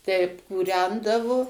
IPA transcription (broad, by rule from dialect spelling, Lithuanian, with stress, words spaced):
tʲɛɪp kuːˈrʲɛndɐʋoː